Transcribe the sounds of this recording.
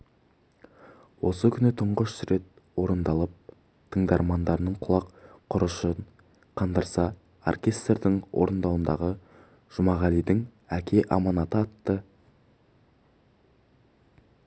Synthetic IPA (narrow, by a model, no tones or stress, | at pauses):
wo̞səkʲʰʏnɪt̪ʰʊɴʁəʃsʏɾe̞t̪̚ | woɾənd̪ɑlˠəp̚ | t̪ʰəɴd̪ɑɾmɑnd̪ɑɾənəɴqʰʊlˠɑqqʰːʊɾəʃən | qʰɑnd̪əɾsɑ | o̰rkʲe̞st̪rd̪ɪŋwo̰ɾənd̪ɑwənd̪ɑ̰ʁə | ʒ̥ʊmɑʁɑlijd̪ɪŋ | ækʲʰe̞ʔɑ̰mɑnɑt̪əɑt̪ːə